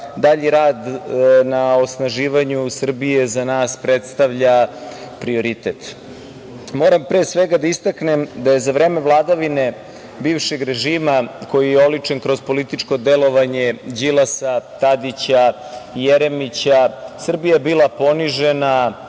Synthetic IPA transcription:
d̪aʎiɾaːd̪nao̞snaʒiːʋaɲusr̩bije̞zanaːspɾet̪st̪aʋʎapɾio̞ɾit̪et̪ | mo̞ːɾampɾeːsʋe̞ɡad̪aist̪aknemd̪aje̞zavɾeːmevlˠaːd̪aʋine̞ | biːʋʃe̞ɡɾeʒiːmako̞jijeo̞lit͡ʂe̞nkɾo̞zpo̞lit̪it͡ʂko̞d̪elo̞ʋaɲed͡ʑilasat̪ad̪it͡ɕa | ijeɾemit͡ɕasr̩bijaebiːlˠapo̞niʒe̞na

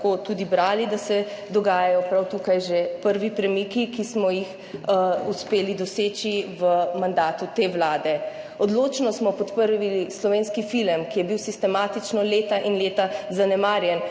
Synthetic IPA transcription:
kot̪ud̪ibɾaːlid̪asɛd̪ɔɡaːjajɔpɾawt̪uːkajʒepəɾʋipɾɛmikikismɔjix | uspeːlid̪ɔseːt͡ʃiʋəmand̪aːt̪ut̪eːʋlaːd̪ɛ | ɔd̪loːt͡ʃnɔsmɔpɔt̪pəɾʋilislɔʋeːnskifiləmkijɛbiwsist̪ɛmaːt̪it͡ʃnɔleːt̪aʔinleːt̪azanɛmaːɾjɛn

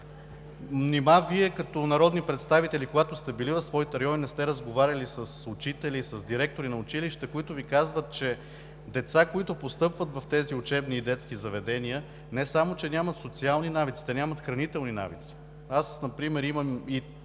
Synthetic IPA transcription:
mnimaviɛkɐt̪ɔnɐɾɔd̪nipɾɛt̪st̪avit̪ɛlikoɡat̪ʊst̪ɛbilivəsvɔit̪ɛɾɐjɔvinɛst̪ɛɾəzɡovaɾʲɐlisəsʊt͡ʃit̪ɛlisəzd̪iɾɛk̚t̪oɾinɐʊt͡ʃiliʃt̪ɛkoit̪ʊvikazvət̪̚t͡ʃɛ | d̪ɛt̪sakoit̪ʊpost̪ɤpvət̪vɐft̪ɛziʊt͡ʃɛbniːd̪ɛt̪sk̟izɐvɛd̪ɛniə | nɛsamot͡ʃɛnʲamɐt̪sot̪sialˠninavit̪si̥t̪ɛnʲamət̪xɾɐnit̪ɛlˠnina̰vḭt̪si̥ | asnɐpɾimɛɾiməmi

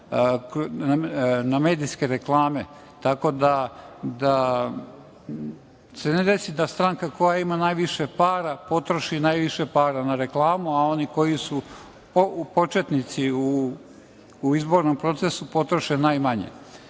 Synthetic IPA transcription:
k | name̞ːd̪ijske̞ɾeklˠaːme̞ | t̪ako̞d̪ad̪a | se̞ned̪e̞sid̪ast̪ɾaŋkako̞jaimanajʋiʃe̞paːɾapo̞t̪ɾoʃinaːjʋiʃepaːɾanaɾe̞klˠaːmuao̞niko̞jisu | opo̞t͡ʃe̞t̪nit̪siu | izbo̞ːɾnompɾo̞t̪sesupo̞t̪ɾoʃenajmaɲḛ

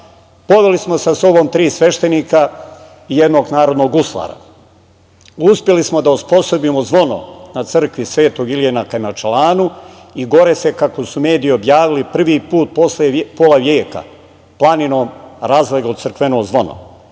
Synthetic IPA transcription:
po̞ʋe̞lismo̞saso̞bo̞mt̪ɾiːsʋe̞ʃt̪e̞niːka | ije̞d̪no̞ːɡnaːɾo̞d̪no̞ɡuslˠa̰ɾa̰ | uspje̞lismo̞d̪auspo̞sobimozʋo̞no̰nat̪sɨr̩kʋisʋe̞ːt̪o̞ɡiljenakamat͡ʃelaːnu | iɡo̞ɾe̞se̞kako̞sume̞ːd̪iio̞bjaːʋilipr̩ʋiːpuːt̪̚po̞slepoːlaʋjeːka̰ | plˠaninoːmɾaːzleɡosrkʋenoːzʋo̞no̰

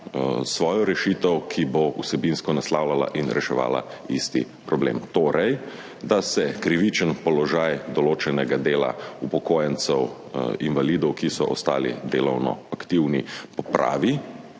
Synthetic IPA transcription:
sʋɔːjɔɾɛʃiːt̪əwkʰibousɛbinskɔnaslaːwlala̰ʔinɾɛʃɛʋa̰ːla̰ist̪i | pɾɔblḛːmt̪oːɾɛj | d̪asɛkɾiʋit͡ʃənpɔlɔʒaːjd̪ɔloːt͡ʃɛnɛɡad̪eːla̰upɔkoːjənt̪sɛw | inʋalid̪ɔwkisɔʔɔst̪a̰ːlḭd̪eːlɔwnɔ̰akt̪iwnipɔpɾa̰ːʋi

